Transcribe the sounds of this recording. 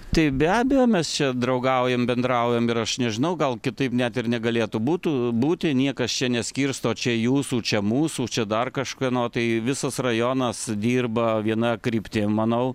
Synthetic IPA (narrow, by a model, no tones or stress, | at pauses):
t̪ɐɪbʲæːbʲɛjoːmʲɛst͡ʃʲɛd̪rɐʊɡɐʊjɛmbʲɛnd̪rɐʊjɛmɪɾɐʃnʲɛʒʲɪnɐʊɡɐlˠkʲɪt̪ɐɪpnʲæt̪ɪrnʲɛɡɐlʲeːt̪ubuːt̪ubuːt̪ʲɪnʲiɛkɐst͡ʃʲɛnʲɛsʲkʲiːrst̪oːt͡ʃʲɛjuːsuːt͡ʃʲɛmuːsuːt͡ʃʲɛd̪ɐrkɐʃkɐnoːt̪ɐɪʋʲɪsɐsrɐjoːnɐsd̪ʲiːrbɐʋʲiɛnɐkɾʲiːpʲt̪ʲeːmɐnɐʊ